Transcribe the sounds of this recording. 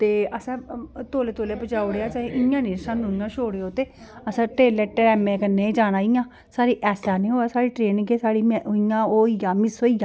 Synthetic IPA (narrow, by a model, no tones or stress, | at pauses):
t̪eːəsãːt̪oːleːt̪oːleːpət͡ʃaːoɽeaːt͡ʃaːĩʔɪjãːniːɾʃãːnũːɪjãːʃoːɽeoːt̪eː | əsãːʈeːleːʈːɾɛːmẽːkənːẽːd͡ʒaːnaːɪjãː | saːɾiːʔɛːsaːnẽːoːaːsaːɽiːʈɾeːnɡeːsaːɽiːmɪjãːoːijaːmɪsoːijãː